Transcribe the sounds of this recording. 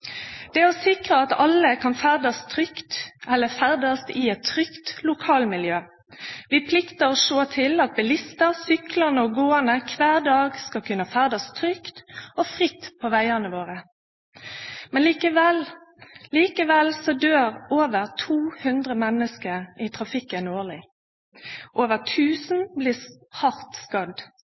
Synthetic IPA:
d̪̥ɛæɔsɪkʁəɑt̪ɑləkʰɑnfæːʁd̪ɑst̪ʰʁʏkt̪ɛlːəfæʁd̪ɑst̪ɪɛt̪ʰːʁʏkt̪lʊkʰɑːlmɪljøː | ʋɪpʰlɪkt̪əʁɔʂoːt̪ʰɪlɑt̪̚bɛlɪst̪əʁsʏkləʁnəɔɡoːənəkʰʋæːʁd̪ɑːɡskɑkʰʉnəfæːʁd̪ɑst̪ʰɾʏkt̪ɔfʁɪt̪ːpʰɔʋæɪəʁnəʋoːʁə | mɛnliːkəʋɛl | liːkəʋɛlsɔd̪øːʁoːʋəʁt̪ʰuːhʉnd̪ʁəmɛnəskəʁɪt̪ʰʁɑfɪkːənoːʁlɪ | ʔoːʋəʁt̪ʰʉːsn̩bliː | hɑʁt̪skɑd̪

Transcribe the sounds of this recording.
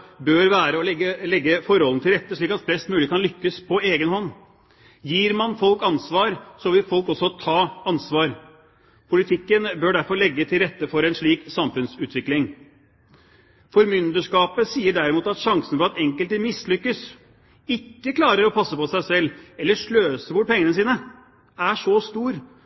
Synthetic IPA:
bøːɾʋæːɾəɔɛəlɛɡːəfɔɾhɔlnət̪ʰɪlɾɛt̪ːəʂɭiːkːɑt̪flɛst̪mʉːlɪəkʰɑnlʏkːəspʰɔeːɡənhɔnː | jiːɾmɑnfɔlkɑnsʋɑːɾsɔʋɪlfɔlkɔsːɔt̪ʰɑːɑnsʋɑːɾ | pʰʊlɪt̪ʰɪkːənbøːɖæɾfɔɭɛɡːət̪ʰɪlɾɛt̪ːəfɔɾɛnʂɭiːksɑmfʉnsʉːt̪ʋɪklɪŋ | fɔɾmʏnd̪əʂkɑːpəsiːəɖæɾɪmuːt̪ɑt̪ʂɑŋsənfɔɾɑt̪ɛŋkəlt̪əmɪslʏkːəs | ɪkːəkʰlɑːɾəɾɔpʰɑsːəpɔsæɪsɛlːɛlːəʂɭøːsəbʊʈ̚ːpʰɛŋːənəs̬iːnə | æʂɔst̪uːɾ

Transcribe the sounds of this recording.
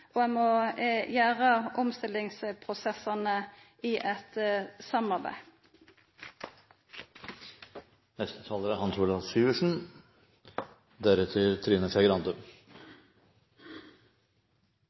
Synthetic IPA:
ʔoːɛmojæːʁəʔɔmst̪ɪlɪŋspʰʁʊsɛsɑnə | iːʔɛt̪sɑmɑʁbæ̰ɪ | nɛst̪ə̥t̪ʰɑːləɾæɾhɑnsuːlɑsyːəʂn̩ | d̪æɾʉt̪ʰɪlt̪ʰɾiːnəsɛɡəɾɑnd̪ʉ

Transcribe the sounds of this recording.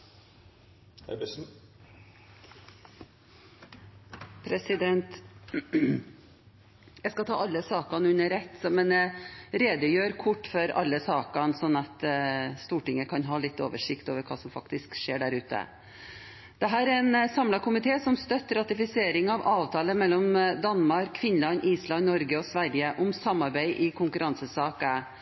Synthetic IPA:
pʰɾɛsɪd̪ɛnt̪ | jɛɪskɑt̪ʰɑ̰ːɑlːəsɑːkɑnʉnːəɾɛt̪ːsɔmɛnɾeːd̪əjøːɾkʰʊʈːfɔɾɑ̰lːəsɑːkɑnsɔnːɑt̪st̪uːʈɪŋːəkʰɑnɦɑːlɪt̪ːo̰ːʋəʂɪkt̪oːʋəɾkʰɑːsɔmfɑkt̪ɪskʂeːɖæɾʉːt̪ə̰ | d̪̥ɛɦæːɾæɾɛnsɑmlɑkʊmɪt̪ʰeːsɔmst̪œt̪ːɾɑt̪ɪfɪseːɾɪŋɑʋɑːʋt̪ʰɑːləmɛlːɔmd̪ɑnːmɑɾkʰːʋɪnlɑnʔiːslɑnnɔɾɡəɔsʋæɾjəʔɔmsɑmːɑɾbæɪʔɪkʰʊŋkʉɾɑnsəsɑːkə

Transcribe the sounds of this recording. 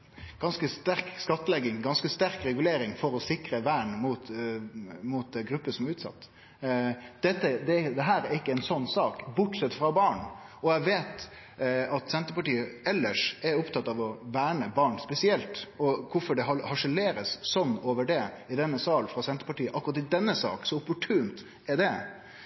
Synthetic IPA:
ɡ̥ɑnskəst̪æɾkskɑt̪ːəlɛɡːɪŋɡɑnskəst̪æɾkɾɛɡʉleːɾɪŋfɔɾɔsɪkɾəʋæːɳmuːt̪ | muːt̪̚d̪ɡɾʉpːəsɔmæɾʉːt̪sɑ̰t̪ː | d̪̥ɛt̪ːəd̪ɛd̪ɛɦæːɾæɾɪkːəɛɪnsɔnːsɑːkbʊʈsɛt̪ːfɾɑbɑːɳɔæʋeːt̪ | ɑt̪sɛnt̪əpɑʈiːəɛlːəʂɛɾʊpt̪ʰɑt̪ːɑʋɔʋæːɳəbɑːɳspɛsɪɛlt̪ɔkʰʊfɔɖɛɦɑhɑʂəleːɾəssɔnːoːʋəɖɛ | ɪd̪ɛnːəsɑːlfɾɑsɛnt̪əpɑʈiːəʔɑkːɾɑt̪ːɪd̪ɛnːəsɑ̰ːksɔʊpʊʈʰʉːnt̪ | ɛɖɛ

